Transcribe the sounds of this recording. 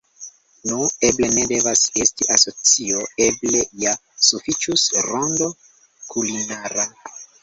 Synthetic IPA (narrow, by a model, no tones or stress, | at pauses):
nue̞ble̞ne̞de̞vase̞stiʔaso̞t͡sio̞e̞ble̞ja | sufit͡ʃusɾondo̞ | kʰulinaɾa